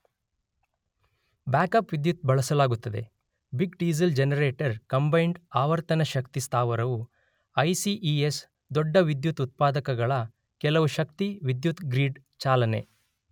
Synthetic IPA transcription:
baːkɐpʋid̪jut̪̚bɐɭɐsɐlaːɡut̪ːɐd̪e̞ | biɡɖiːzɐld͡ʒenɐɾeːʈɐɾkɐmbɐjɳɖaːʋɐɾt̪ɐnɐʃɐkt̪ist̪ʰaːʋɐɾɐʋu | ɐjsiʔies | d̪ɔɖːɐʋid̪jut̪ut̪̚paːd̪ɐkɐɡɐɭɐ | kɛlɐʋuʃɐkt̪iʋid̪jut̪ɡɾiːɖ | t͡ʃaːlɐne̞̰

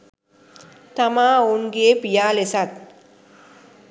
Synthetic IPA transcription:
t̪ɐmaːunɡepijaːlesat̪̚

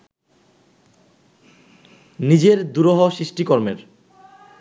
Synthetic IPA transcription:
nid͡ʑeɾd̪uɾoɦoʃɾiʃʈikɔɾmeɾ

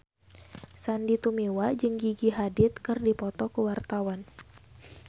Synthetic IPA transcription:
sandit̪umiwad͡ʒɨŋɡiɡiɦadɪt̪̚kɨrdipɔt̪ɔkəwart̪awan

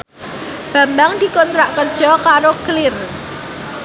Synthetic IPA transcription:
b̥ä̤mbaŋd̪̥i̤kɔnt̪ɾaʔkərd̥ʒ̥ɔ̤kaɾoklɪr

